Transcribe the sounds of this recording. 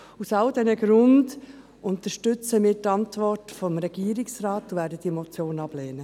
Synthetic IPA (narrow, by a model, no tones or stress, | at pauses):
usɑldɛnəɡɾʊnd | ʔʊntəʃtʏt͡səmɪːtɑntvɔrtfɔmɾɛɡ̥iːɾiksraːtːovæːɾdəd̥imɔt͡sjoːnɑb̥lɛːnə